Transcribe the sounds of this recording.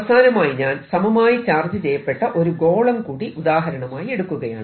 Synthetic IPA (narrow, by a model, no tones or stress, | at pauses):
ɐsaːnɐmaːjiɲaːnsɐmɐmaːjit͡ɕaːrd͡ʑɐd͡ʑejɐpːe̞ʈːɐʔo̞ɾuɡo̞ːɭɐmkuːɽiʔud̪aːɦɐɾɐɳɐmaːjie̞ɽukːuɣɐja̰ːɳɨ